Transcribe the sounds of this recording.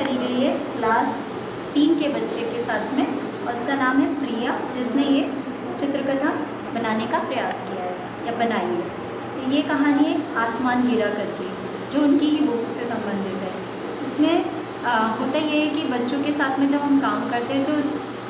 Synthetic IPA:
ɐɾiːbeie | laːs | t̪iːnkebɐtːʃekesaːt̪ʰmẽ | ɔːɾʊskanaːmɦɛpɾiːjad͡ʒɪsneje | t͡ʃɪt̪ɾəkət̪ʰa | bɐnaːnekapɾɐjaːskijaɦɛː | jabɐnaːiɦɛː | jekɐɦaːnieaːsmaːnbiɾakɐɾt̪iɦɛ | d͡ʒoːʊnkiɦiʋoːksesɐ̃mbə̃nd̪ʱɪt̪ɦɛː | ɪsmẽ | ɦoːt̪ajeɦɛkibɐtːʃõkesaːt̪ʰmẽd͡ʒɐbʱɦɐmkaːmkɐɾt̪eɦɛ̃t̪o

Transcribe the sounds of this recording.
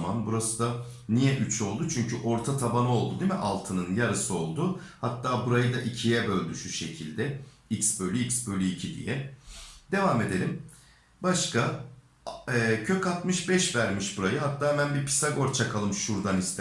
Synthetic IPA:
manbuɾasɯd̪a | nijɛʔyt͡ʃʰo̞lˠd̪ut͡ʃʰyɲcyʔo̞ɾt̪ʰat̪ʰabanɯo̞lˠd̪ud̪imɛʔalˠt̪ʰɯnɯnjaɾɯsɯo̞lˠd̪ʊhat̪ːaːbuɾajɯd̪aʔicʰijɛbø̞lʲd̪yʃuʃe̞cʰilʲd̪ɛ | icsbø̞lʲyicsbø̞lʲyicʰid̪ḭjɛ | d̪̥e̞vaːme̞d̪e̞lʲim | baʃka | ɛːcʰøcat̪mɯʃbɛʃvæɾmiʃbuɾajɯɦat̪ːaːmænbiɾpʰi̥saɡo̞ɾt͡ʃʰakʰalˠɯmʃuɾd̪anist̪

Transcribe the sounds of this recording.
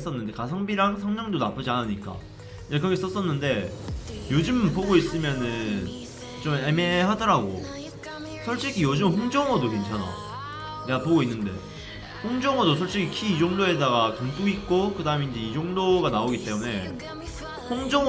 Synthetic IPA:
s͈ʌnːɯnde̞kasʰaŋbiɾaŋsʰaŋɲʌŋdonap͈ɯd͡ʑianɯɲik͈a̰ | d͡ʑekɾʌɡeis͈ʌs͈ʌnːɯnde̞jod͡ʑɯmpoɡois͈ɯmjʌnɯn | t͡ɕomeme̞ɦadʌɾaɡo̰ | sʰʌɭɕ͈iɡʰijod͡ʑɯmɸoŋd͡ʑʌŋʌdoke̞nt͡ɕʰana̰ | neɡapoɡoinːɯnde̞̰ | ɸoŋd͡ʑʌŋʌdosʰʌɭɕ͈ikʰikʰiːd͡ʑoŋdoe̞daɡakaŋt͈uit̚k͈okɯdaɯme̞ind͡ʑe̞id͡ʑoŋdoɡanaoɡit͈e̞mune̞ | ɸoŋd͡ʑʌŋ

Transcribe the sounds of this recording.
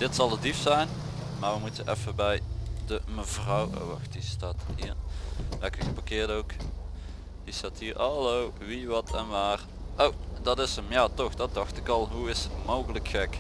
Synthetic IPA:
d̥ɪtsɑlˠədifsɛjn | maːɹʋəmutənʔɛ̰fəbɛjdəməvrɑwo̰wɑ̰xtistaːthiːrlɛkəɣəpɑkɪːrdowk | distaːthiːɹɑlow | ʋiʋɑtʰɛnʋaːr | ʔowdɑtɪsəmjaːtɔxdɑt̚dɑxtɪkɑlˠɦuɪsətmowɣələkxɛk

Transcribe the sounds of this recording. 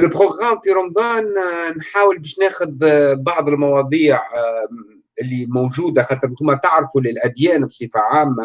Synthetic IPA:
ɪlbʁoɡɣamfiɾʊmbɑːnnħaːwəlbɛːʃnɛːxʊd̪bɑʕðˤɪlmɑwɑd̪ˤiːʕ | ɪlːimowʒuːd̪axaːt̪əɾɪnt̪uːmæt̪aʕɾfulɪlʔæd̪jɛːnbsˤifaʕaːmːa

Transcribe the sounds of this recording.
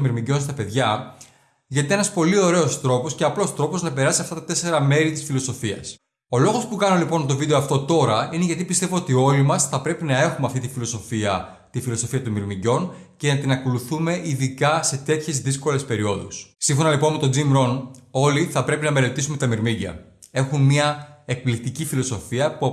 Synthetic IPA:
miɾmiɟo̞nst̪ɐpe̞ðʝɐ | ʝɐt̪eenɐspo̞lio̞ɾe̞o̞st̪ɾo̞po̞sceɐplo̞st̪ɾo̞po̞znɐpe̞ɾɐsiɐft̪ɐt̪ɐt̪e̞se̞ɾɐme̞ɾit̪isfilo̞so̞fiɐ̰s | o̞lo̞ɣo̞spukɐnolipo̞nt̪o̞vid̪eoɐft̪o̞t̪o̞ɾɐineʝɐt̪ipist̪e̞voot̪io̞limɐsθɐpɾe̞pinɐe̞xumeɐft̪it̪ifilo̞so̞fiɐ | t̪ifilo̞so̞fiɐt̪umiɾmiʝo̞n | ce̞nɐt̪inɐko̞luθume̞ʔiðikɐse̞t̪e̞t̪çe̞zðisko̞le̞spe̞ɾio̞ðṵssiɱfo̞nɐlipo̞nme̞t̪od͡zimɾo̞no̞liθɐpɾe̞pinɐme̞le̞t̪isume̞t̪ɐmiɾmiʝɐ̰ | e̞xunmiɐek̚plik̚t̪icifilo̞so̞fiɐpu

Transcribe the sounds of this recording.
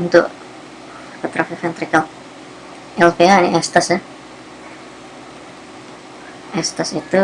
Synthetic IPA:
nt̪ʊ̰ʔ | kət̪ɾafifɛnt̪ɾikal | ʔɛlpeaniʔɛst̪asɛ | ʔɛst̪asit̪u

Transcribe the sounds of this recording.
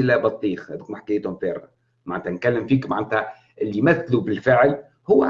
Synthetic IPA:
ɪlæbɑt̪ˤːiːxhæd̪uːkmaħkɪjt̪hʊmferːa̰ | maʕæːt̪ænkælːɪmfiːkmaʕnːt̪hæ | ʔɪlːimæθlubɪlfɪʕl | hʊwːæ

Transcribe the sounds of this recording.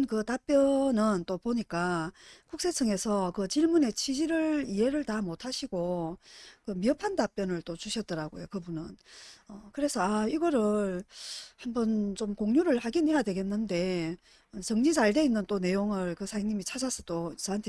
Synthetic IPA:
nkɯtap͈jʌnɯnt͈opoɲik͈akuks͈e̞t͡ɕʰɯŋe̞sʰʌkɯt͡ɕiɭmune̞t͡ɕʰid͡ʑiɾɯɭie̞ɾɯɭtamotʰaɕʰiɡ̥o | kɯmiʌpʰantap͈jʌnɯɭt͈ot͡ɕuɕʰʌt̚t͈ʌɾaɡo̰jo̰kɯbunɯnʌkɯɾe̞sʰʌaiɡʌɾɯɭhambʌnt͡ɕomkoŋɲuɾɯɭhaɡinɦejadwe̞ɡe̞nːɯnde̞ | ʌt͡ɕʌŋɲid͡ʑaɭde̞inːɯnt͈one̞joŋɯɭkɯsʰaiŋɲimit͡ɕʰad͡ʑasʰʌ̥t͈ot͡ɕaantʰe

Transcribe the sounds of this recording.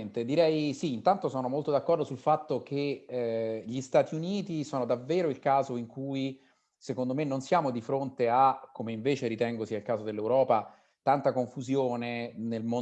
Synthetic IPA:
nt̪ed̪iɾɛjsiːnt̪ant̪osoːnomolt̪od̪akːɔrd̪osulfat̪ːok̟e | ʎist̪aːt̪iuniːt̪isɔːnod̪avːeːɾoilkaːzoiŋkuːi | sekond̪omenːonsjaːmod̪ifɾont̪eakːomeiɱveːt͡ʃeɾit̪ɛŋɡosialkaːzod̪elːewɾɔːpa | t̪ant̪akoɱfuzjoːnenelmo

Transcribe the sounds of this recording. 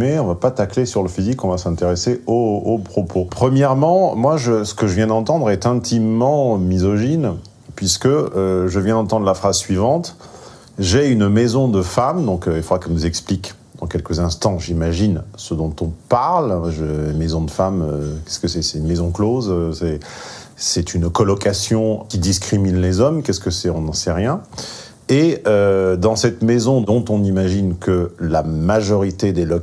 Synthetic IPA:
mɛɔ̃vapat̪aklesyʁləfizikɔ̃vasɛ̃t̪eʁeseoːpχɔpʰopχəmjɛʁmɑ̃mwaʒəsə̥kəʒəvjɛ̃d̪ɑ̃t̪ɑ̃d̪ʁɛt̪ɛ̃t̪ʰimːɑ̃mizɔʒin | pɥiskəøʒəvjɛ̃d̪ɑ̃t̪ɑ̃d̪ʁlafχazsɥivɑ̃t̪ | ʒɛynmezɔ̃d̪əfamd̪ɔ̃kilfod̪ʁaknuzɛksplik | d̪̥ɑ̃kʲɛlkəzɛ̃st̪ɑ̃ʒimaʒinsəd̪ɔ̃t̪ɔ̃paʁlɛʒønmezɔ̃d̪əfamøkʲɛ̥skəsɛsɛynmezɔ̃klozsɛ | sɛt̪ʰynkɔlɔkasjɔ̃kʲid̪iskχiminlezɔmkʲɛskəsɛɔ̃nɑ̃sɛʁjɛ̃ | eød̪ɑ̃sɛt̪mezɔ̃ɔ̃t̪ɔ̃nimaʒinkəlamaʒɔʁit̪ed̪elɔ

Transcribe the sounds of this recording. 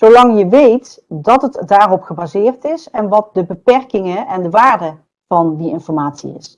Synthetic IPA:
z̥owlɑŋjəʋejt | dɑtətdaːrɔpχəbaːzɪːrtɪsɛnʋɑt̚dəbəpɛɹkɪŋəʔɛndəʋaːɹdə | v̥ɑndiɪnfɔɹmaːtsḭɪ̰s

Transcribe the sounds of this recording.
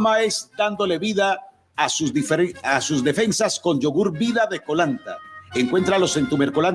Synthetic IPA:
mae̞zd̪and̪o̞le̞βiðaː | suifasuzðe̞fe̞nsasko̞nd͡ʒoɣuɾbiðaðe̞ko̞lant̪a̰eŋkwe̞nt̪ɾalo̞se̞nt̪umeɾko̞lan

